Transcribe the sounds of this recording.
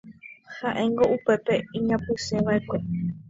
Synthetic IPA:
haʔẽ̞ŋɡo̞ʔupe̞pe̞ĩɲãpɨsẽʋaʔekʷe̞

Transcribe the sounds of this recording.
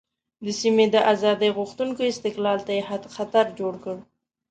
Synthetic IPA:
d̪əsimed̪əʔazɑd̪əjɣuxt̪uŋkoɪst̪ɪqlɑlt̪ajehad̪xat̪aɾd͡ʒoɽkəɽ

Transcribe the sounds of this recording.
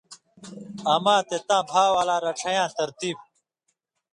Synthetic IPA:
ɐmãːt̪et̪ãːbʱaːwaːlaːɾɐʈ͡ʂʰɐjãːt̪ɐɾt̪iːb̚

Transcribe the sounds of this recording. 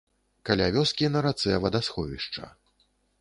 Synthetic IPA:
kalʲavʲɔskʲinɐɾat̪sɛvɐd̪asxɔvʲiʂt͡ʂɐ̰

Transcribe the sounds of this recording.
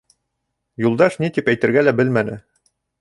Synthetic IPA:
julˠd̪ɑʃnit̪ipæjt̪ɘ̆ɾɡælæbɘlmænɘ

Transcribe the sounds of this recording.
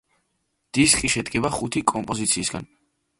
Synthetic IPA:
d̪̥iskʼiʃɛd̪ɡɛbaχut̪ʰikʼɔmpʼɔzit̪sʰiːsɡa̰n

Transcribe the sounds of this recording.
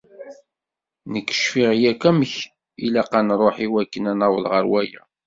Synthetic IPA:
nəkːə̥ʃfiʁjækæməç | ilaqːanrˤoħiwækːənænawəlʁəɾwæjæ̰

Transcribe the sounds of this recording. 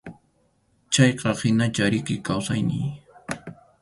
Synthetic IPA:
t͡ʃɑjqɑhɪnat͡ʃaɾɪkɪkawsajnɪ̰j

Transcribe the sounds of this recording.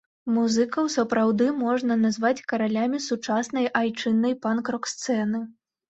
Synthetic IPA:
muzɨkɐwsɐpɾawd̪ɨmɔʐnɐnazvat͡sʲkɐɾalʲamʲisut͡ʂasnɐjʔajt͡ʂɨnːɐjpankɾɔkst̪sɛnɨ

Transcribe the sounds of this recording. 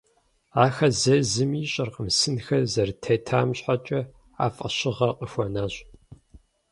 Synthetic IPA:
aːxɐzɐzɨmiːɕʼɐrqəmsɨnxɐzɐrtʰɐtʰaːmɕħat͡ʃʼɐ | a̰ːfʼɐ̰ɕɪʁɐqəxʷɔnaːɕʼ

